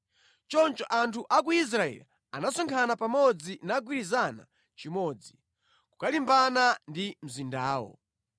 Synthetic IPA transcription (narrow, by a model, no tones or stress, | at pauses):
t͡ʃɔnt͡ʃɔʔantʰuʔak̬uis̬ɾaɛ̰li | anasɔŋkʰanapamɔd͡zinaɡwiɾizana̰ | t͡ʃimɔːd͡zi | ku̥kalimbanandim̩zindaːwɔ̰